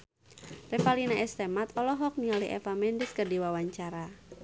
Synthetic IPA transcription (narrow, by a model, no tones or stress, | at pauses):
rɛfalinaɛst̪ɛmat̪ɔlɔɦɔk̚nialiʔɛ̰famɛndɪskərdiwawaɲt͡ʃaɾa